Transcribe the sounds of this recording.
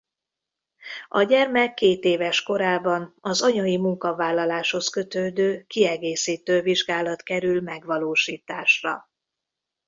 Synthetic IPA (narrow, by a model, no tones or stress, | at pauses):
ɒɟɛrmɛkːeːt̪eːvɛʃko̞ɾaːbɒnɒzɒɲɒjimuŋkɒvaːlːɒlaːʃho̞skø̞t̪øːd̪øːkiɛɡeːsiːt̪øːviʒɡaːlɒt̪kɛɾylmɛɡʋɒloːʃiːt̪aːʃrɒ̰